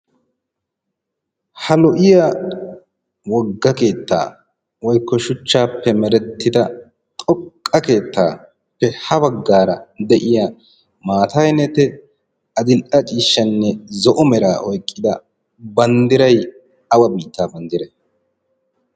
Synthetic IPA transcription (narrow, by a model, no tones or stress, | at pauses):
hɐlɔʔɪja | wɔɡːɐke̞ːt̪ːa̰ː | wɔjkːɔʃʊt͡ʃːaːpːɛmɛɾɛt̪ːɪd̪ɐ | t̪ʼɔkʼːɐke̞ːt̪ːa̰ː | pːɛhɐbɐɡːaːɾɐd̪ɛʔɪja | maːt̪ɐjnɛt̪ɛ | ɐd̪ɪlʔɐt͡ʃʼiːʃːɐnːɛzɔʔɔmɛɾa̰ːʔɔjkʼːɪd̪ɐ | bɐnd̪ɪɾɐj | ɐwɐbiːt̪ːaːbɐnd̪ɪɾɛ